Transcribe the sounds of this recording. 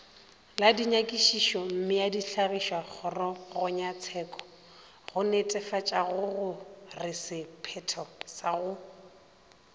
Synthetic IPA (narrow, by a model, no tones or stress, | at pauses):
ladiɲakʼiʃiʃɔm̩mɪjadiɬaɣiʃwak͡xʰɔrɔɣʊɲat͡sʰɛːkʼɔ̥ | ɣʊnetʼɛfat͡ʃʼaɣʊɣʊrɪsɪpʰɛtʰɔsaɣʊ